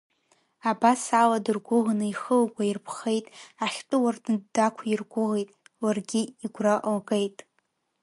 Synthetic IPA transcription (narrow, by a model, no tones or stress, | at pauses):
abasaladɨrɡʷʊʁnɨiχəlɡʷʼairpʰχe̞jtʼaχʲtʼɨwardɨddakʷʰairɡʷʊʁejtʼwarɡʲiiɡʷraʔlɡʼejtʼ